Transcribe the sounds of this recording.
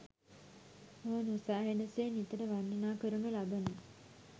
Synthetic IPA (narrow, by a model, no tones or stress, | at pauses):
oɦənosaːɦenəsenit̪əʈəʋanːənaːkəɾunulabənə